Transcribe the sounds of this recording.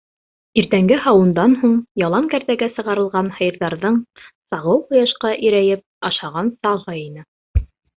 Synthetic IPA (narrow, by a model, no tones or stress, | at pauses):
iɾt̪æŋɡɘhɑwɤ̆nd̪ɑnhuɴjɑlˠɑŋkæɾðæɡæsɤ̆ʁɑɾɤ̆lˠʁɑnhɤ̆jɤ̆ɾðɑɾðɤɴsɑʁɤwqŏjɑʃqɑʔiɾæjɘp̚ɑʃɑʁɑnsɑʁɤinɘ